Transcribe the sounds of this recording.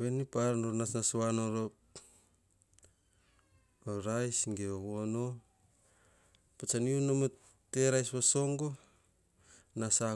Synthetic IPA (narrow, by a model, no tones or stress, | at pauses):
βenipaɾnoɾnasnasanoɾo | oɾajsɡeoɣono | pat͡ʃaniunomo | tːeɾajsβoso̞ŋɡo | nasa